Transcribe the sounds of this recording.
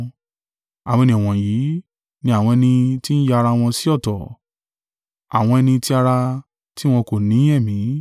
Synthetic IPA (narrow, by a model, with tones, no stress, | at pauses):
a˨wĩ˧nĩ˦˨ɔ̃˨ji˨˦ | nĩ˧a˨w̃ɔ̃˧ɛ˧nĩ˧ti˦n̩˦ja˦˧ɾa˧w̃ɔ̃˧si˦ɔ˦˨tɔ˨ | a̰˨w̃ɔ̃˧ɛ˧nĩ˧ti˦a˧ɾa˧ | ti˦w̃ɔ̃˧ko˨nĩ˨˦ɛ˦˨mĩ˨˦